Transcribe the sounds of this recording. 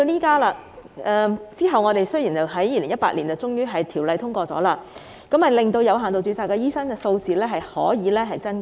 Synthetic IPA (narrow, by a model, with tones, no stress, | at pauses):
o˧liː˥kaː˥laː˧ɛː˧t͡siː˥ɦɐ˨wŋɔ˨˧t̪e˨jsɵ˥jiː˨˩t͡sɐ˨˩wɦɐ˨˥jiː˧lɪ˨˩ŋjɐ˥t̚paː˧˥liː˨˩nt͡sɐ˨˩t͡sʊ˥ŋjyː˥ɦɐ˨jt̪ʰiː˨˩wlɐ˨˧jt̪ʰʊ˥ŋkʷɔː˧t͡sɔ̰˨˥laː˧ | kɐ˨˥mhɐ˨jlɪ˨˩ŋt̪o˧wjɐ˨˧wɦaː˨˩t̪o˨wt͡syː˧t͡saː˧kːɛː˧jiː˥sɐ˥nkɛː˧so˧wt͡siː˨lɛː˥ɦɐ˨jhɔ̰ː˨˥jiː˨˧lɛː˥ɦɐ˨jt͡sɐ˥n